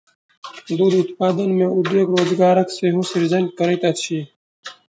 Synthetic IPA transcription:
d̪uːd̪ʊt̪paːd̪ənmẽud̪eːɡɾoːzɡaːɾɐkseɦusiɾzɐɳʈ̚kɐɾet̪at͡ɕʰi

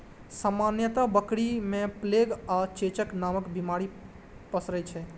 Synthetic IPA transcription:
samanjət̪abəkɽimẽpleɡat͡ʃet͡ʃəknaməkbimaɾi | pəsɾɛt͡ʃʰɛ

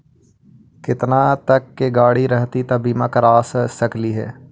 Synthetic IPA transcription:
kɪt̪nãːt̪əkːeɡaːɽiɾəɦt̪iːt̪aːbiːmãːkəɾaːssəkliːɦɛ̰ː

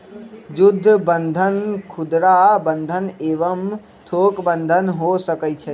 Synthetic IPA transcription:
d͡ʒʊd̪ʱːəbə̃nd̪ʱənkʰʊd̪ɾabə̃nd̪ʱəneːʋəm | t̪ʰoːkbə̃nd̪ʱənɦosəkəit͡ʃʰɛ

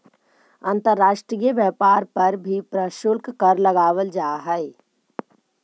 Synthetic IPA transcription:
ə̃nt̪əɾːaːʃʈɾijəʋjɛːpaːɾpɐɾbʱipɾəʃʊlkkəɾlɐɡaːʋəld͡ʒaːɦɛe

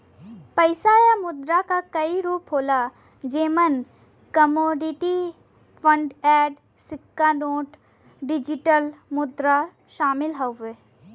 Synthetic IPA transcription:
pɐɪsaːjamʊd̪ɾakakɐiɾuːpɦoːla | d͡ʒeːmən | kɐmoːɖɪʈi | pʰə̃ɳɖɛːɖ | sɪkːanoːʈ | ɖɪd͡ʒɪʈəlmʊd̪ɾa | ʃaːmɪlɦɐeː

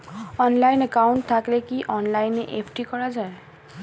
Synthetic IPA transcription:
ɔnlajnekawɳʈt̪ʰaklekiʔɔnlajneʔepʰʈikɔɾad͡ʒaẽ

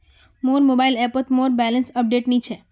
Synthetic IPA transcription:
moɾmobailɛpət̪moɾbɛlənsəp̚ɖeʈnit͡ʃʰe

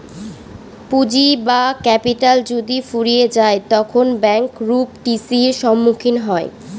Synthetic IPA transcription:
pud͡ʑibakɛpiʈald͡ʑod̪ifuɾijed͡ʑaet̪ɔkʰonbɛŋkɾupʈisiɾʃɔmːukʰinɦɔe

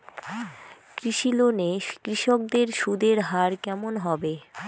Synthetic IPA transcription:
kɾiʃilonekɾiʃok̚d̪eɾʃud̪eɾɦaɾkɛmonɦɔbe

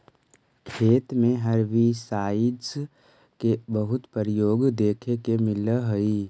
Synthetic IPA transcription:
kʰeːt̪mẽɦəɾʋisaːɪs | kebəɦʊt̪pəɾɪjoːɡd̪eːkʰekemɪləɦoi

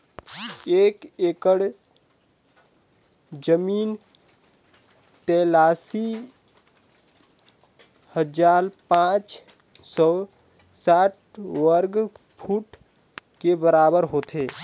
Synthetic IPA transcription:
eːkeːkəɽ | d͡ʒəmiːn | ʈ̪eːlaːsi | həd͡ʒaːɾpãːt͡ʃ | sɔː | saːʈ̚ | ʋəɾɡ | pʰuːʈ | kebəɾaːbəɾɦoːt̪ʰeː

